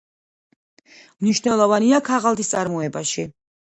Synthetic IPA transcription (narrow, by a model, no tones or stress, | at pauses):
mniʃnɛlˠɔvaniakʰaʁalˠd̪ist̪sʼaɾmɔɛbaʃi